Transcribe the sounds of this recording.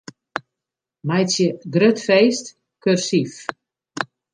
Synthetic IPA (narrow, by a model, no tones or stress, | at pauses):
mɛjsjəɡrøtfejst | kørsif